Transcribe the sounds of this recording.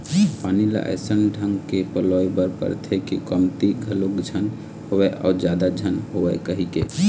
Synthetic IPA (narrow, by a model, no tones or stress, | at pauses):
panila̰ʔə̰sənɖʱəŋɡkepəlɔjbəɾpə̰ɾt̪ʰɛkekɔmt̪iɡʱəlokd͡ʒʱən | howɛʔa̰ːd͡ʒad̪ad͡ʒʱənɦobɛkəɦikḛ